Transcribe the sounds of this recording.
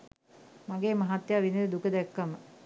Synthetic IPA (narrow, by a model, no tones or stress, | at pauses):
mɐɡeːmɐɦat̪jaːʋinid̪ukəd̪ɛkːɐmə